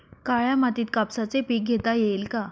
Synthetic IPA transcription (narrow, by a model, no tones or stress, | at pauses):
kajamat̪iːt̪kapsat͡sepiːk̚ɡʱet̪ajelka